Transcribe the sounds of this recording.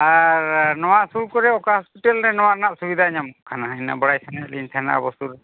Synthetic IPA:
aɾnɔwaʔsuɾkɔɾɛɔkaɦɔspiʈalɾɛnɔwaɾnaʔsubid̪ʱaɲamkʰanaɦajna̰bɔɽajt̪ʰanalint̪ʰana̰bɔst̪uɾ

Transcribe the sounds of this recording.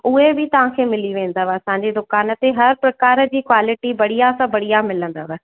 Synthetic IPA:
ʊɦebɪt̪ɐʋ̤ãːkʰeːmɪliʋẽːn̆d̪aːʋɐsãːɲd͡ʑed̪ʊkaːnət̪eɦɐɾpɾɐkaːɾə̆d͡ʑiːkwaːlɪʈiʋɐɽ̤ijasãbɐɽijamɪlə̃nd̪aːʋɛ

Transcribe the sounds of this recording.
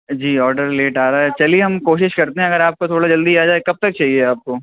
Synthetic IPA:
d͡ʒiːɔːɾɖəɾleːʈaːɾaɦɛt͡ʃɐlieɦɐmkoːʃɪʃkɐɾt̪eɦɛ̃ɐɡəɾaːp̚kot̪ʰoːɽad͡ʒɐld̪iaːd͡ʒaːekɐb̚t̪ɐk̚t͡ʃaːɦieaːp̚koː

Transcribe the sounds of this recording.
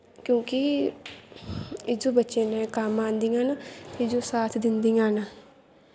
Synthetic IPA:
kjõːki | ɪd͡ʒobɐtːʃenɛ̃kaːmãːnd̪ĩŋɡãːnatɪd͡ʒosaːt̪ʰd̪ɪnd̪ĩãːnaː

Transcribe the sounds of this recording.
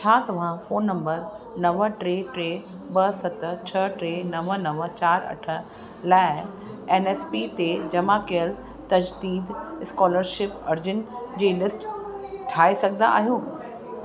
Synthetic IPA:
t͡ɕʰaːt̪ɐʋ̤ãfoːnːɐ̃mbəɾ | nɐʋəʈɾeːʈɾeː | bɐsɐt̪t͡ɕʰɐʈɾeːnɐʋənɐʋət͡ɕaːɾɐ̰ʈʰə̆ | laːɪ | eːneːspit̪ed͡ʑɐmakiəl | t̪ɐd͡ʑd̪iːd̪ɪskɔːləɾʃɪpɐɾd͡ʑɪnd͡ʑiːlɪsʈʈʰaːesɐɡʱəna̰a̰ːɦijuː

